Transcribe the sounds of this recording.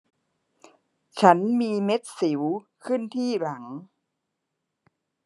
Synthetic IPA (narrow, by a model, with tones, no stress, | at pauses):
t͡ɕʰa˦˥nmiː˧me˦˥t̪̚si˩˦w | kʰɯ˥˩nt̪ʰiː˥˩ɾa˩˦ŋ